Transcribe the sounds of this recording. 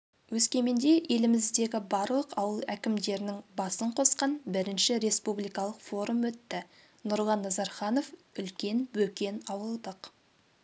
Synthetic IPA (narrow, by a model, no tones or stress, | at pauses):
wɵskʲe̞mend̪e̞ʔe̞lɪmɪzd̪e̞ɡʲɪbɑɾlˠəqɑwəlˠækʲɪmd̪e̞ɾɪnɪŋbɑsəɴqʰo̞sqɑnbɪɾɪnʃɪɾe̞spublˠijkɑlˠəqfo̞ɾumwɵt̪ːɪ | nʊɾlˠɑnːɑzɑɾχɑnofʏlkʲe̞nbɵkʲe̞nɑwəlˠd̪əq